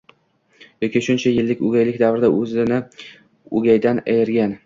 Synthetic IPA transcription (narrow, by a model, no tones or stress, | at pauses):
jɒkʲɪʃʊnt͡ʃʰajɪlːɪkʲʊɡʲajlɪk̚ʲd̪avɾɪd̪aʔɵzɪnɪ | ʊ̰ɡʲajd̪ana̰jɪɾɡʲan